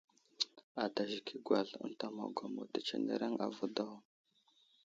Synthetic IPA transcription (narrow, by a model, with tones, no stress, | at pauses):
a˨da˨ʒi˨kʰi˦ɡʷa˨ɮə̰˦nta˨ma̰˨ɡʷa˨mo̰˨da˨t͡ʃḛ˨nḛ˨ɾa˦ŋa̰˨vu˦da˦w